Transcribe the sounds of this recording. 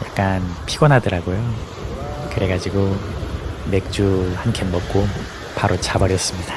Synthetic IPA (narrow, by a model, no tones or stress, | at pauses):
jak̚k͈anpʰiɡʌnɦadɯɾaɡojo | kɯɾe̞ɡad͡ʑiɡo | me̞k̚t͡ɕ͈uhankʰemʌk̚k͈o | paɾot͡ɕabʌɾjʌs͈ɯmɲida